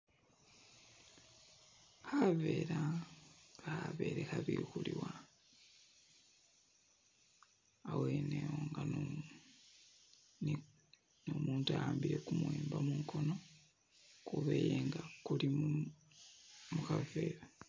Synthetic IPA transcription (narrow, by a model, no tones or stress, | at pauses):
have̞ːɾa | ɡaave̞ːɾexaβḭxuliwa | weːnewoŋɡa | n | nomuːntajaːmbiɾe̞kumweːmbamuŋkʰo̞no̞ | kuβeːjeŋɡakulim | mukave̞ːɾa